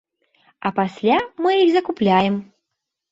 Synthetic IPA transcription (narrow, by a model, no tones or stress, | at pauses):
ɐpasʲlʲamɨjiɣzɐkuplʲajɛm